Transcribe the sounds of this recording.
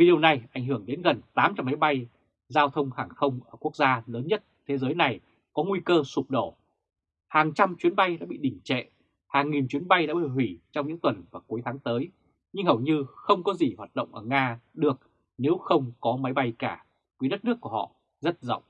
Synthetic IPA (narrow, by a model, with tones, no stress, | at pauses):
vi˨ɗi˨˩əwna˨˩jʔa˧˩jŋ̟ɦɨ˧˩əŋɗe˨˦nɣə˨˩nt̪aː˨˦mt͡ɕa˧mːa˨˦jɓa˧j | zaː˧wt̪ʰə˧wŋ͡mhaː˨˩ŋxə˧wŋ͡mʔəː˧˩ku˦˥ək̚zaː˧ləː˨˦nɲə˦˥t̚t̪ʰe˨˦zəː˨˦jna˨˩j | kɔ˨˦ŋwi˧kəː˧su˨˩p̚ɗo˧˩ | haː˨˩ŋt͡ɕa˧mt͡ɕwi˨˦nɓa˧jɗa̰ː˧˥ɓḭ˧˨ɗï˧˩ŋ̟t͡ɕɛ̰˧˨ | haː˨˩ŋːi˨˩nt͡ɕwi˨˦ənɓa˧jɗa̰ː˧˥ɓḭ˧˨ɦwi˧˩t͡ɕɔ˧ŋ͡mɲɨ̰˧˥ŋt̪wə˨˩nvaː˨˩ku˨˦jt̪ʰaː˨˦ŋt̪əː˨˦j | ɲɨ˧ŋhə˨˩wɲɨ˧xə˧wŋ͡mkɔ˨˦zi˨˩hwaː˨˩t̚ɗə̰˧˨wŋ͡mʔəː˧˩ŋaː˧ɗɨ˨˩ək̚ | ne˨˦wxə˧wŋ͡mkɔ˨˦ma˨˦jɓa˧jkaː˧˩ | vu˨˦ɗə˦˥t̚nɨ˦˥əkːu˧˩əhɔ̰˧˨ | zə˦˥t̚zə̰˧˨wŋ͡m